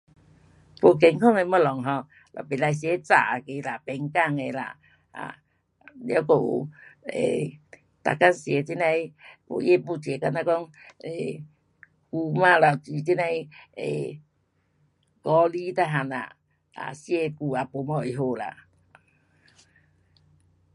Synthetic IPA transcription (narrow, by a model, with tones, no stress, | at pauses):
po˧k̬ɛ˨˧˦ŋkʰɔ˥˧˨ŋe˧mɔ˧˨lɔ˨ŋɦɔ̃˧ | lʔɔ̰˨˩˨pe˨la˧js̬je˨˧˦t͡sa̰˨˩˨ke˧˦la˨pɛ˧ŋka˥˧˨ŋe˧˨la̰˨ | a̰˨ | lja˧˦ko˧˨ṵ˨˩ḛ˨ | t̪a̰˨˩ka˧nsje˨˧˦t͡ɕi˦˧˦na˧jpo̰˧˨je˦pu˧˨t͡ɕe˨˧˦ka˧na˦˧kɔ˦ŋ | e˨ | ku˧mã˧˨la˨˩ti˧˨t͡ɕi˦˧na˧jḛ˨ | kɔ˧li˦t̪a˧ɦa˧na̰˨ | a̰˨sje˧ku˧a˨po˧˦mɔ˧˨e˨˧ɦo˧la̰˨